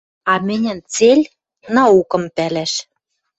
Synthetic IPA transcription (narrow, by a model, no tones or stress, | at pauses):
ɑmɘ̆nʲɘ̆nt͡selʲ | nɑukɤ̆mpælæʃ